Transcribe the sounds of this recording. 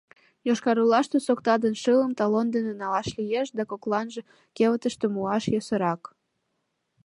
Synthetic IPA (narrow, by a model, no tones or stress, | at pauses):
joʃkɑɾulɑʃt̪osokt̪ɑd̪ənʃɨləmt̪ɑlond̪enenɑlɑʃlijeʃd̪ɑkoklɑnʒĕ | keβət̪əʃt̪emuɑʃjosəɾɑk